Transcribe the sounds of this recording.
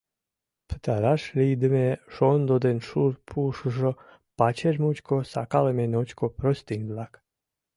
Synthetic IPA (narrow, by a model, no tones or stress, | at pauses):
pə̥t̪aɾaʂlʲid̪əmeʃond̪od̪enʃuɾpʰuʂʐə | pat͡ɕeʐmut͡ʃkosa̰kalemenot͡ɕkopɾost̪inʲb̪lak